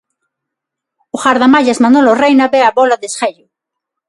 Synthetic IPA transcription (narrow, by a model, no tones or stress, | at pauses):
ʊxaɾðamaʎazmanolorejnabeaβɔlaðesxeʎʊ